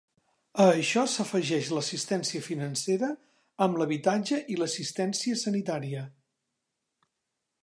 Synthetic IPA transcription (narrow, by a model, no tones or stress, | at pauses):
əːʃɔsəfəʒɛʃləsist̪ɛnsiəfinənseɾəː | mləβit̪ad͡ʒəʔiləsist̪ɛnsiəsənit̪aɾiə